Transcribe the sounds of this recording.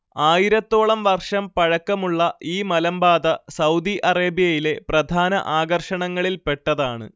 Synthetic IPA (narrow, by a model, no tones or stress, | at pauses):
aːjiɾɐt̪ːo̞ːɭɐmʋɐrʂɐmpɐɻɐkːɐmuɭːɐʔiːmɐlɐmbaːd̪ɐsɐwd̪iʔɐreːbijɐjile̞prɐd̪ʱaːnɐ̰ʔaːɡɐrʂɐɳɐŋːɐɭilpe̞ʈːɐðaːɳɨ̰